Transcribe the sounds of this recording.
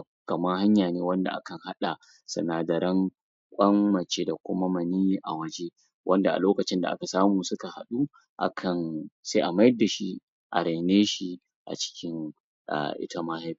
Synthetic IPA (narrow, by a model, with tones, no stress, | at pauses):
kɐ˨ma˦ha˦ɲjaː˨neː˦wɐ˦nda̰˨ʔa̰˦kɐ˨ŋha˦ɗa˨ | sɐ̰˨naː˨dɐ˨ɾɐ˦ŋ | kʷʼɐ˦mmɐ˨t͡ʃeː˦da˨kʷʊ˦ma˦mɐ˨niː˦ʔa˨wɐ˦d͡ʒe˦ | wʔɐ˦nda˨ʔa̰˨loː˦kɐ˨t͡ʃɪ˦nda̰˨ʔa̰˦ka˨saː˦muː˨sʊ˦ka˨ha˨ɗu˦ | ʔa̰˦kʰɐ˨nsa˦ʔa˨ma˦jda˨ʃi˦ | ʔa̰˨ɾa˨neː˦ʃi˦ | ʔa̰˨t͡ʃɪ̥˦kʲʰɪ˦ŋ | ʔa̰˨ʔɪ̰˦ta˦maː˦ha˦bi˨